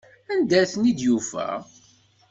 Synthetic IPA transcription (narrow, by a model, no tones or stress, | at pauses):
ænd̪æθnid̪jufæ̰